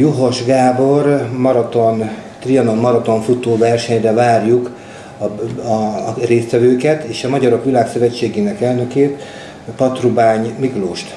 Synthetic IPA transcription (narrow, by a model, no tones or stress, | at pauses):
joɦo̞ʒɡaːbo̞rmɒɾɒt̪o̞nt̪riɒno̞mːɒɾɒt̪o̞ɱfut̪oːvɛrʃɛɲrɛvaːrjuk | ɒ | reːst̪ʋɛvøːkɛt̪eːʃɒmɒɟɒɾo̞kʋilaːksøvɛt͡ʃːeːɡeːnɛkɛlnø̞keːt̪ | pɒt̪rubaːɲmikloːʃt̪